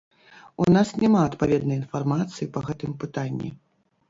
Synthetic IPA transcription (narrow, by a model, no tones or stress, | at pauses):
unasnʲamaɐt̪pavʲɛd̪nɐjinfarmat̪sɨjipɐɣɛt̪ɨmpɨt̪anʲːḭ